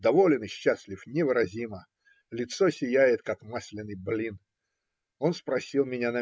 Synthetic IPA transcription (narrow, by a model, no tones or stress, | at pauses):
d̪ɐvolʲɪnɨɕːasʲlʲɪfnʲɪvɨɾɐzʲimə | lʲɪt̪so̞sʲɪjæjɪt̪̚kakmasʲlʲɪnːɨjblʲin | o̞nspɾɐsʲilˠmʲɪnʲanɐ